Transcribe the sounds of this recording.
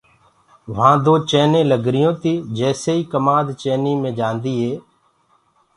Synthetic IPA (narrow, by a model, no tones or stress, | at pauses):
ʋãːd̪oːt͡ʃeːnẽːləɡɾɪjõːt̪iːd͡ʒɛːseːiːkəmãːd̪t͡ʃeːniːmẽːd͡ʒãːnd̪iːɦeː